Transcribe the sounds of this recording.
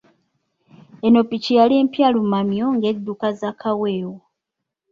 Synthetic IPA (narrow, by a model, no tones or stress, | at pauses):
e̞no̞picijaleːmpjalumamjo̞ŋɡe̞d̪ːukazakʰawe̞ːwo